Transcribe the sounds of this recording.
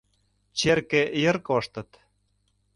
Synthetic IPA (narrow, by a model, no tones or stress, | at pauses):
t͡ɕerkĕjə̆rkoʃt̪ɤ̆t̪